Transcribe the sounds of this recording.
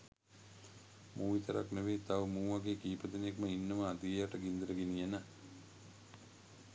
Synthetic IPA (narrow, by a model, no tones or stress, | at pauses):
mʔuːʋit̪əɾa̰knəʋeːt̪aʋmuːʋaɡeːkiːpət̪ənjekməinːəməad̪ijjaʈəɡind̪əɾəɡenijenə